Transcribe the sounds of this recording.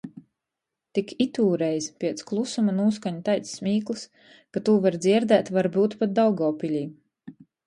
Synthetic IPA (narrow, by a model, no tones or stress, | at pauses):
t̪ikʰit̪uːɾɛjzpʲiɛt̪sklˠusumanuːskaɲut̪ajt̪ssmʲiːklˠɨs | kat̪uːvaɾd̪zʲiɛɾd̪æːt̪vaɾbuːt̪pat̪̚d̪awɡɔːpʲilʲiː